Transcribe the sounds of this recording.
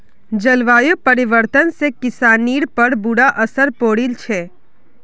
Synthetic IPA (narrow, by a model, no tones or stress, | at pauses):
d͡ʒɐlʋaːjupəɾɪʋəɾt̪ənsekɪsaːniːɽpəɾbuɽaʔɐsəɾpoːɽilt͡ʃʰɛː